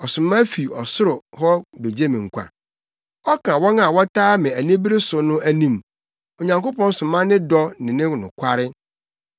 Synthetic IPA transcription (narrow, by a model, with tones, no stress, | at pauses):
ɔ˨sʊ̃˨mã˦fi˨ɔ˨sʊ˦ɾʊ˨hɔ˦be˨d͡ʑe˦mɪ̃˨ŋ̩˨kʷʰa̰˨ | ɔ˦kʰã˨wɔ̃˦na˨wɔ˦tʰaː˦mɪ̃˨æ˨nĩ˦bi˦ɾɪ˦sʊ˨nʊ̃˦æ˦nĩ˦˨m | o˨ɲã˨ŋko˦pɔ̃˦n˦sʊ̃˨mã˦nɪ̃˦dɔ˦nɪ̃˨nɪ̃˦˨nʊ̃˨kʷʰa˦ɾɪ˦